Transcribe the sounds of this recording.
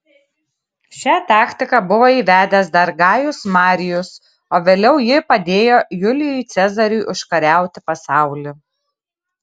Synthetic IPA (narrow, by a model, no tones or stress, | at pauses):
ʃʲæːt̪ɑːkʲt̪ʲɪkɐbʊʋoːiːʋʲæːd̪ʲɛsd̪ɐɾɡɑːjʊsmɑːɾʲɪjʊs | oːʋʲeːlʲɛʊjɪpɐd̪ʲeːjoːjʊlʲɪjʊjt̪sʲɛzɐɾʲuːʔʊʃkɐɾʲæˑʊt̪ʲɪpɐsɑˑʊlʲi